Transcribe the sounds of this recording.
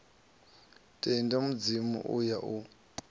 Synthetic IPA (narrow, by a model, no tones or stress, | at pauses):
tʼɛndamud͡zimṵʔujaʔu